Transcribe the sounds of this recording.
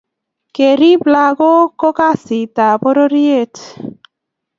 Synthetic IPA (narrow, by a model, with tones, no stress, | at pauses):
ke˨ɾi˦bla˦ɡo˦ko˦ka˦si˨ta˨bo˦ɾo˦ɾi˦e˦˨t